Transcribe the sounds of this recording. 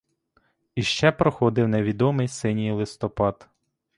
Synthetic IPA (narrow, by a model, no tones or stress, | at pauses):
iʃt͡ʃɛpɾɔxɔd̪ɪwneʋʲid̪ɔmɪjsɪnʲijlˠɪst̪ɔpɑd̪